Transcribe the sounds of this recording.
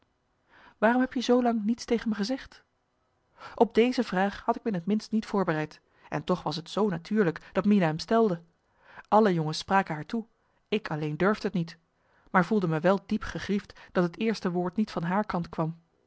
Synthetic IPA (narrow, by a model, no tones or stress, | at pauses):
ʋaːrɔmɦɛpjəzowlɑŋnitstejχənməχəzɛχt | ʔɔb̚dejzəvraːχhɑtɪk̚mənətmɪnstnitfʊːɹbərɛjt | ɛntɔχʋɑsətsownatʰyːɹləkd̥ɑtminaɦɛmstɛlˠdə | ʔɑləjɔŋəspraːkənɦaːɹtu | ɪkɑlejndøɹvdəɦətnit | maːɹvulˠdəməʋɛlˠdipχəχriftd̥ɑtɦətɪːɹstəʋʊːɹtnitfɑnɦaːɹkɑntkʋɑm